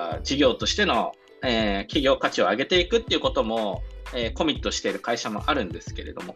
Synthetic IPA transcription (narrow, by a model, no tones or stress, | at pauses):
d͡ʑiɡʲo̞ːt̪o̞ɕi̥t̪e̞no̞ | eːkʲiɡʲo̞ːkat͡ɕio̞aɡe̞t̪e̞ikɯ̟t̪ːeiɯ̟ko̞t̪o̞mo̞eːko̞mʲit̪ːo̞ɕi̥t̪e̞iɾɯ̟kaiɕamo̞̰ʔaɾɯ̟̃nd̪e̞sɨ̥ke̞ɾe̞̰d̪o̞mo̞